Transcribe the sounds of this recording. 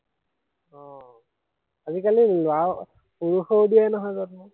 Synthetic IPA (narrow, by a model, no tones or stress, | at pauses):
ɔ̃ | azikalilʊa | puɹuxowdijanɔɦɔjzɔtmɔ